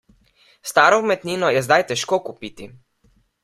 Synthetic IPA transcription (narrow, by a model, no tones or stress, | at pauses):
st̪aːɾɔmɛt̪niːnɔjɛzd̪ajt̪ɛʃkoːkupit̪i